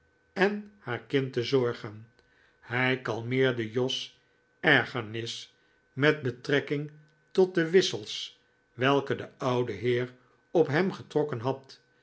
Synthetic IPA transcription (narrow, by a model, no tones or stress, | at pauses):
ɛnhaːɹkɪntəzɔɹχən | hɛjkɑlˠmɪːɹdəjɔs | ɛɹχənɪs | mɛd̚bətrɛkɪŋ | tɔt̚dəʋɪsəlˠs | ʋɛlˠkədəɑwdəɦɪːɹ | ɔpɦɛmχətrɔkənɦɑt